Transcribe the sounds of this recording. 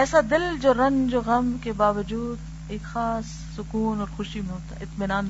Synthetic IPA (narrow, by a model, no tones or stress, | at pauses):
ɛːsad̪ɪld͡ʒoːɾɐ̃nd͡ʒoːɣɐmkebaːʋəd͡ʒuːd̪ | eːkxaːsːʊkuːnɔːɾxʊʃimẽɦoːt̪aɪt̪mɪnaːn